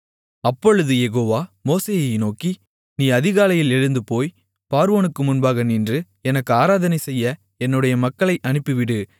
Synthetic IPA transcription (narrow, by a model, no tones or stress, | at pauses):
ɐpːɔɻɯðɯjɛɣoːʋaːmoːseːjɐɪnoːki | niːɐðɪɣaːlɐjɪlɛɻɯnd̪ɯpoːj | paːɾɯʋoːnɯkːɯmʊnbaːɣɐniːndrɯ | ɛnɐkːɯaːɾaːðɐnɐɪsɛjːɐ | ɛnːɯɽɐjɐmɐkːɐɭɐɪʔɐɳɯpːɯʋɪɽɯ